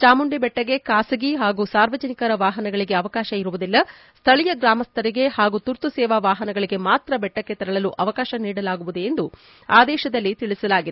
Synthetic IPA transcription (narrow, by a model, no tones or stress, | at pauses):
t͡ʃaːmuɳɖibɛʈːɐɡe̞kaːsɐɡiɦaːɡusaːɾʋɐd͡ʒɐnikɐɾɐʋaːɦɐnɐɡɐɭiɡe̞ɐʋɐkaːʃɐiɾuʋud̪ilːɐ | st̪ʰɐɭijɐɡɾaːmɐst̪ʰɐɾiɡe̞haːɡut̪uɾt̪usɛːʋaʋaːɦɐnɐɡɐɭiɡe̞maːt̪ɾɐbɛʈːɐkːe̞t̪ɐɾɐɭɐluʔɐʋɐkaːʃɐniːɽɐlaːɡuʋud̪ue̞nd̪u | aːd̪ɛːʃɐd̪ɐlːit̪iɭisɐlaːɡid̪